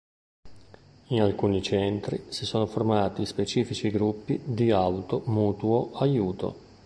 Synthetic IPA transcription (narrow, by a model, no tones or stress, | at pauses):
inalkuːnit͡ʃɛnt̪ɾḭsisoːnoformaːt̪ispet͡ʃiːfit͡ʃiɡɾupːid̪iawt̪omuːt̪uoʔajuːt̪o̰